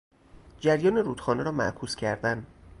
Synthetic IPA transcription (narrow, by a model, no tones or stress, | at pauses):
d͡ʒæɾjɒːneɾuːd̪xɒːneɾɒːmæ̰ʔkʰuːscʲʰæɾd̪æn